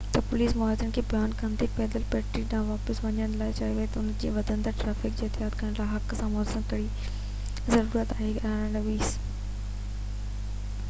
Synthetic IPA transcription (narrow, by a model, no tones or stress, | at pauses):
t̪ɐpʊliːsmʊaːzəɽ̃kʰeːbɪjaːnkɐnt̪ʰipɛːd̪əlpɛːʈɾiːʈɗãːʋaːpəsʋɐɲəɽ̃laːɪt͡ɕaːiʋɐɦet̪ɐʊnd͡ʑiːʋɐd̪ʱə̃nd̪əɾʈɾaːfɪkd͡ʑeːɦɪt̪ɪjaːt̪kɐɽəɽ̃laːɪɦɐksãmɔːsəmkɐɽi | zɐɾuːɾət̪aːɦeaə̃nʋiːs